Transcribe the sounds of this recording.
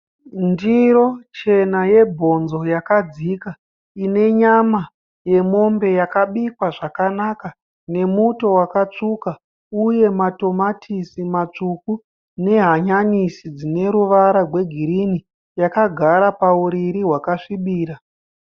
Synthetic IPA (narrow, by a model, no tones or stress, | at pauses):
ndiɾo̞t͡ʃe̞naje̞bʱo̞nzo̞jakad͡zika | ine̞ɲama | je̞mo̞mbe̞jakaɓikwaʐakanaka | ne̞muto̞wakat͡ʂuka | uje̞mato̞matʰisimat͡ʂuku | ne̞ɦaɲanisid͡zine̞ɾuʋaɾarwe̞ɡʱiɾini | jakaɡʱaɾapauɾiɾiɦwakaʂiɓiːɾa